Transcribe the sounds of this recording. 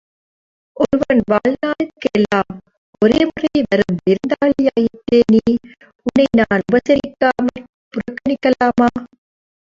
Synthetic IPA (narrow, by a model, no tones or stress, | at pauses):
ʔɔɾɯʋɐnʋaːɻnaːlkːɛlːaːm | ɔɾeːmʊrɐɪʋɐɾɯmʋɪɾɯnd̪aːɭɪjaːjɪt̪ːeːniː | ʊnːɐɪnaːnʊbɐsɐɾɪkːaːmɐl | pʊɾɐkːɐɳɪkːɐlaːmaː